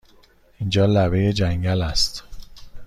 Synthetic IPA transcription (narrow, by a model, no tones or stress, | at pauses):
ind͡ʒɒːlæβe̞jed͡ʒæŋɟælæst̪